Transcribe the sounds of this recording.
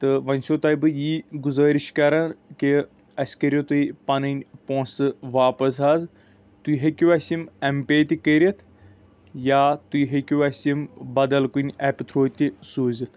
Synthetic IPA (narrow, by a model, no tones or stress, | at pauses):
t̪ɨʋɐnʲsot̪ɐːjbɨjiːɡuzɐːɾiʃkɐɾɐnki | ɐsʲkɐɾʲot̪uipɐnɨnʲpoːsɨʋaːpɐs̬ɦaːz | t̪uɦekʲiʋɐsʲimɐmpeːt̪ʲikəɾʲɐt̪ʰ | jaːt̪ujɦekʲuʋɐsʲimbɐd̪ɐlkunʲɛpt̪ʰɾoːt̪ʲisuːzit̪ʰ